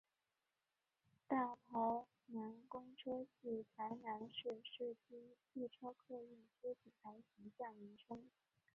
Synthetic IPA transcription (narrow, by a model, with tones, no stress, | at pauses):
t̪a˥˩pʰɑ˧˥ʊ | na˧˥nkʊ˥ŋʈ͡ʂʰɤ˥t͡ɕi˥˩pʰa˧˥ɪna˧˥nʂ̩˥˧ʂ̩˥˩t͡ɕi˥t͡ɕi˥˩ʈ͡ʂʰɤ˥ʊkʰɤ˥˧i˥˩ŋt͡ɕʰɛ˥t͡ɕʰi˨˩t̪ʰa˧˥ɪɕi˧˥t͡ɕjɑ˥˩ŋi˧˥ʈ͡ʂʰʊ˥ŋ